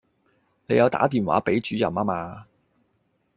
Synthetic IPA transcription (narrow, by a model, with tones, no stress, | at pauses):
ne˨˧jɐ˨˧wt̪a̰ː˨˥t̪̬iː˨˩nwa̰ː˨˥pe˨˥jt͡ʃyː˨˥jɐ̰˨˩maː˥maː˧